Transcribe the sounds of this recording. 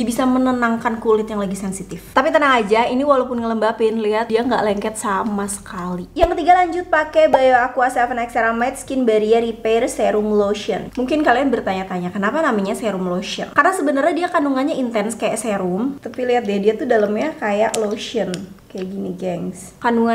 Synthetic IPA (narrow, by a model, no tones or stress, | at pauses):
iabisamənənaŋkankulɪt̪̚jaŋlaɡisɛnsit̪ɪft̪apit̪ənaŋad͡ʒainiwalawpʊnŋələmbapɪnliɦat̪diaŋɡa̰ʔlɛŋkɛt̪̚samasə̥kalijaŋkət̪iɡalaɲd͡ʒʊt̪̚pakɛbajaakuasɛfənɛkseɾamat̪̚skɪnbaɾiaɾipersɛɾumloʃiənmuŋkɪnkalianbərt̪aɲat̪aɲakənapanamaɲasɛɾumloʃə̰nkarnasəbənərɲadiakanuŋanɲaint̪ɛnskaja̰ʔsɛɾumt̪apiliɦat̪̚diadiat̪udaləmɲakajaʔloʃiənkajaʔɡiniɡɛŋskanuŋa